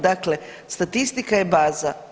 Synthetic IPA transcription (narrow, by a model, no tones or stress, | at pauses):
d̪akle | st̪at̪ist̪ikajebaːza